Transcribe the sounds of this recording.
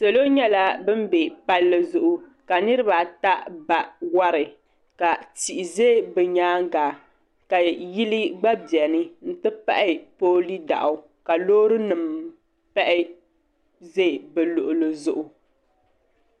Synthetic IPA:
se˨lo˦ɲɛ˦la˦bɨ˦m˦be˨pa˦lːɨ˦zʊ˨ʔʊ˦ka˨nɨ˦ɾɨ˦βa˨ta˦ʔba˨wa˦ɾɨ˨ | ka˨ti˨ʔɪ˨ze˦˨bɛ˨ɲaː˦ŋ˦ɡaː˨ | ka˨ji˦li˦ɡ͡ba˦bjɛ˨nɨ˦n̩˦tɨ˦pa̰˦ʔɪ˦poː˦li˦da̰˨ʔʊ˨ | ka˨loː˦ɾɨ˦nɨ˨m | pɛ˦ʔɪ˦ | ze˦˨bɛ˨lʊ˨ʔʊ˨lɨ˨zʊ˨ʔʊ˨

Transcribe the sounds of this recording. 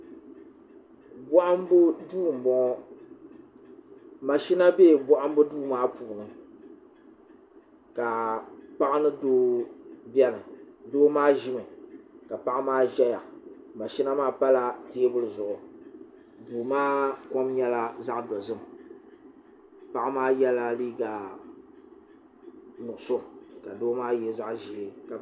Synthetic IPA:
bɔ˦ʔa˦mbduː˦˨m˨bɔ˨ŋ˦ | ma˨ʃi˦na˦beː˦˨bɔ˦ʔa˦m˦bɨ˦duː˦maː˦puː˨nɨ˨ | ka˨pa˦ʔa˦nɨ˦doː˦bjɛ˦nɨ˨doː˦maː˦ʒi˦mɨ˨ka˨pa˦ʔa˦maː˦ʒɛ˦ja˨ | ma˨ʃi˦na˦maː˦pa˦la˦te˦bʊ˦lɨ˨zʊ˨ʔʊ˨ | duː˨maː˦ko˦mɲɛ˦la˦za˦ʔdɔ˨zɨ˦m˨ | pa˦ʔa˦maː˦jɛ˦la˦liː˦ɡa˨ | nʊ˨ʔʊ˨so˦ka˨doː˦maː˦jɛ˦za˦ʔʒi˨ɪ˨ka˨

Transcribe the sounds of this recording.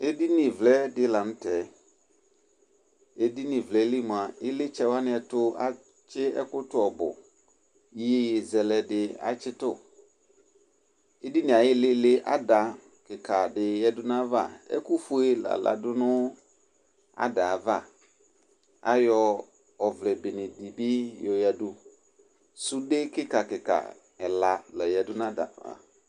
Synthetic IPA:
e˦di˦nĩ˨vlɛ˦dɪ˦la˨nʊ̃˦tɛ˨ | e˦di˦nĩ˨vlɛ˦li˦mʊ̃˨a˨ɪ˦lɪ˦t͡ʃɛ˦˨wa˦nɪ̃˦ɛ˨tʊ˦a̰˦ | t͡ʃɪ˦ɛ̰˦kʊ˦tʊ˦ɔ˨bʊ̰˨˦ | e˦jzɛ˨lɛ˨dɪ˨a̰˨t͡ʃɪ˦tʊ˦ | e˦di˦nɪ̃˨a˨jɪ˦lɪ˦lɪ˦ʔa̰˦da˨ | kɪ˨kʰa˨dɪ˨jɛ˦dʊ˦nã˦va̰˦˨ɛ̰˦kʊ˦fu˦e˦la̰˨la̰˨dʊ˦nʊ˦ | a̰˦da˨va˦˨ | a̰˦jɔ˨ | ɔ˨vlɛ˨bɪ˨nɪ̃˨di˨bɪ˦jɔ˨ja˨dʊ˦ | sʊ˦de˦kɪ˦ka˨kɪ˨ka̰˨ | ɛ˨la˨la˨jɛ˨dʊ˦n˦ã˦da̰˨a̰˨

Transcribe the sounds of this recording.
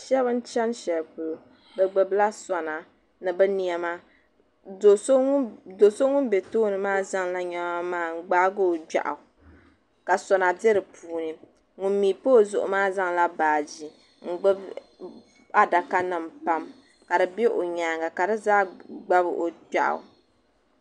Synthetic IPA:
ʃɛ˦bɨ˦n̩˦t͡ʃɛ˦n˦ʃɛ˨lpʊ˨lo˨ | bɛ˦ɡ͡bɨ˦bla˦sa˨na˨ | nɨ˨bɛ˦ni˨ɛ˦maː˦ | o˨˦do˨so˦ŋʊ˦n˦be˨toː˦nɨ˨maː˦za˦ŋla˦ɲa˦a˦maː˦˨ŋ̩˦ɡ͡baː˦ɡo˦˨d͡ʒa̰˨ʔa̰˨ | ka˨sɔ˨na˨dɛ˦ɾɨ˨pʰuː˨˦nɨ˨ | ŋʊ˨m˦miː˨poː˦˨zʊ̰˦ʔʊ̰˦maː˦za˦ŋla˦baː˨d͡ʒi˨ | ŋ̩˨ɡ͡bɨ˦b | a˦da˨ka˦nɨ˨mpa˦m | ka˨dɨ˨be˦ʔo˨ɲaː˨ŋa˨ka˨dɨ˦zaː˦ɡ͡ba˦bɨ˦ʔo˨d͡ʒa̰˨ʔa̰˨

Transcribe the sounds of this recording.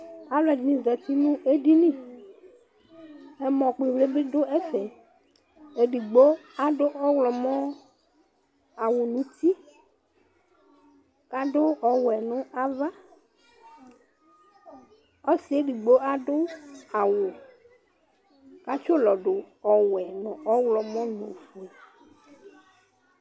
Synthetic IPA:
a˨lɔ˨d͡ʒnĩ˨zɛ˨t̪i˦nʊ̃˦e˦ɖi˦nĩ˦ | ɛ˦mɔ̃˨k͡pli˨vle˦be˦ɖʊ˦ɛ˦fɛ˨ | e˨ɖi˨ɡ͡bo˦a˨ɖʊ˦ɔ˦wlɔ˨mɔ̃˦ | a˨wʊ˨nũ˨˦t̪i˦ | ka˦ɖʊ˦ɔ˨wɛ˨nʊ̃˦a˦va˦ | ɔ˦sɪ˨˦e˦ɖi˨ɡ͡bo˦a˦ɖʊ˦a˨wʊ˨ | ka˦t͡ʃʊ˦lɔ˨ɖʊ˨ | ɔ˨wɛ˨nʊ̃˨ʔɔ˦wlɔ˨mɔ̃˦nʊ̃˨fu˨ɛ˨

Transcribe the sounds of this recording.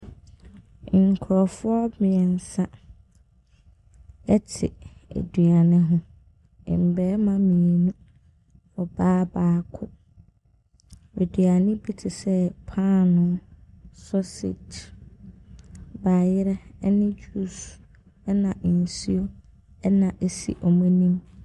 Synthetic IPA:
ŋ̩˨kʰʊ˨ɾɔ˨fʊ˦ɔ˦mɪ̃˨ɛ˨n̩˨sã˦ | ɛ˦tʰɪ̰˨æ̰˨dɥa˨nɪ̃˦ɦʊ̃˦ | ɪ̰̃˨m̩˨bɛː˨˦mã˦mĩ˨e˨nũ˦ | ɔ˨baː˦baː˦kʰʊ˦ | e˨dɥa˨nɪ̃˦bi˦tʰɪ˨sɛ˦pʰa˦˨nʊ̃˦sɔ˦sḛ˨tʰ | baː˨jɪ˦ɾɛ˦nɪ̃˦d͡ʑu˦s | ɛ˦nã˨ʔn̩˨si˦o˦ | ɛ˦nã˨ʔe˦sḭ˦ʔɔ˨mũ˦nĩ˦m

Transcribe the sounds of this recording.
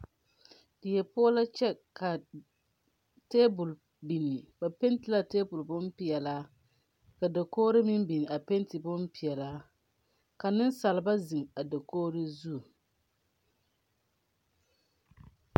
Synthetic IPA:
dɪ˨jɛ˨pʊ˦ɔ˦la˦t͡ʃɛ˦kʰa˨ | teː˦bʊ˨l | bi˨ni˨ba˨pe˦n˦tɪ˨la˦teː˦bʊ˨lbʊ˦mpi˨ɛ˨la˦ | ka˨da˨koː˦ɾɪ˦mɪ˦mbi˨ni˨a˨pe˦n˦tɪ˨bʊ˦mpi˨ɛ˨laː˦ | ka˨nɪ˦nsa˨lɪ˨ba˦zi˨ŋa˨da˨koː˦ɾɪ˦zu˦˨

